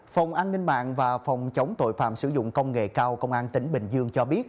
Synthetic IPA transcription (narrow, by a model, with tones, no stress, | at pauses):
fə˨˩wŋ͡mʔaː˧nːï˧ŋ̟ɓa̰ː˧˨nvaː˨˩fə˨˩wŋ͡mt͡ɕə˨˦wŋ͡mt̪o̰˧˨jfa̰ː˧˨msɨ˧˩zʊ̰˧˨ŋ͡mkə˧wŋ͡mŋḛ˧˨kaː˧wkə˧wŋ͡mʔaː˧nt̪ï˨˦ŋ̟ɓï˨˩ŋ̟zɨ˧əŋt͡ɕɔ˧ɓi˦˥ət̚